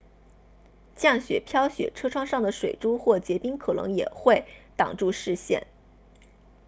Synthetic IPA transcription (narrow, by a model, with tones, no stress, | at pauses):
t͡ɕjɑ˥˩ŋɕɥɛ˨˩pʰjɑ˥ʊɕɥɛ̰˨˩ʈ͡ʂʰɤ˥ʈ͡ʂʰwɑ˥ŋʂɑ˥˩ŋd̪ə˩ʂwe˨˩ɪʈ͡ʂu˥xwɔ˥˩t͡ɕjɛ˧˥pi˥ŋkʰɤ˨˩nɤ̰˧˥ŋjɛ̰˨˩xwe˥˩ɪt̪ɑ̰˨˩ŋʈ͡ʂu˥˧ʂɻ̩˥˧ɕjɛ̰˥˩n